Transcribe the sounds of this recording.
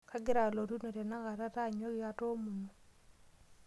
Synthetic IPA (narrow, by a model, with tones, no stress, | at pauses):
kʰa˦ɡɪ˦ɾa˨lo˨tu˦no˨tɛ˨na˦ɡa˨ta˦ta˦˨ɲwɔ˦ɡɪ˦a˦to˦mu˨no˨